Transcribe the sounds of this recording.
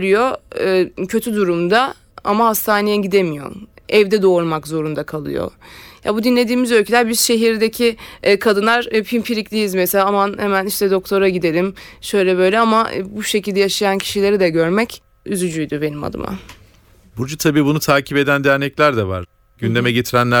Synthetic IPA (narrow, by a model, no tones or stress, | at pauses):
ɾyjo̞ | cʰøt̪ʰyd̪uɾumd̪a | a̰mahast̪ʰaːnejɛɟid̪emijo̞̰nɛvd̪ɛd̪o̞ːɾmakzo̞ɾund̪akʰalˠɯ̰jo̰ja̰bud̪inlʲe̞d̪iːmizø̞lʲcʰelʲæɾbiz̥ʃe̞ɦiɾd̪ecʰikʰad̪ɯnˠaɾpʰimpʰiɾiclʲijizmɛselʲaːmanhemæniʃt̪ʰɛd̪o̞k̚t̪ʰo̞ɾaɟid̪e̞ɾimʃø̞jlʲɛbø̞jlʲɛamabuʃecilʲd̪ɛjaʃajancʰi̥ʃilʲe̞ɾid̪ɛɟøɾmɛc | yzyd͡ʒyjd̪ʊbe̞nima̰d̪ɯ̰ma̰ | bud͡ʒut̪ʰabiːbunut̪ʰaːcʰipe̞d̪ænd̪eɾnɛclʲæɾd̪ɛva̰ɾ | ɟynd̪e̞mɛɟet̪ʰiɾænlʲæ